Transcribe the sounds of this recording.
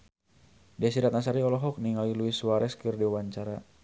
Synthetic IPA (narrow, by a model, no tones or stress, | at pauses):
dɛsiɾat̪̚nas̬aɾiɔlɔɦɔk̚niŋaliluiswaɾɛskɨrdiwawaɲt͡ʃaɾa